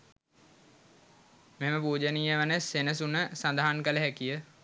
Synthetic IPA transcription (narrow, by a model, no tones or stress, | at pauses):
meɦeməpuːd͡ʒənijəʋənəsenəsunəsand̪aɦankələɦækijə